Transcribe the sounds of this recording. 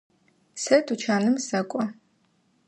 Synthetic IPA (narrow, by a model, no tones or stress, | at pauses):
sɐtʰut͡ʃʰaːnɨmsɐkʷʼɔ